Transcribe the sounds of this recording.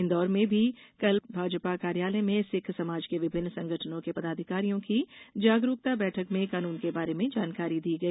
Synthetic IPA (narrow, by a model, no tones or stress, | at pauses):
ɪ̃nd̪ɔːɾmẽbʱikɐlbʱaːd͡ʒpakaːɾjaːlɛmẽsɪkʰsɐmaːd͡ʒkeʋɪbʱɪnːsɐ̃ŋɡʱəʈʰənõkepɐd̪aːd̪ʱɪkaːɾijõkid͡ʒaːɡɾuk̚t̪abɛːʈʰəkmẽkaːnuːnkebaːɾemẽd͡ʒaːnkaːɾid̪iːɡɐi